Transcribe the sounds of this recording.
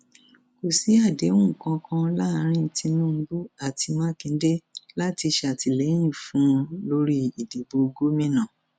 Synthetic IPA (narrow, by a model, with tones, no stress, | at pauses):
ko˨si˨˦a˦˨de˨˦ũ˦˨kã˧kʰã˧˦la˦˨˧ɾ̃ĩ˦˨˦ti˧nũ˦˨m̩˦bu˦a˨ti˧mã˦kĩ˧n̩˦de˦la˦ti˧ʃa˨ti˨le˨˦j̃ĩ˦˨fũ˨˦˧lo˦ɾi˦i˨de˨bo˧ɡo˦mĩ˦nã˦˨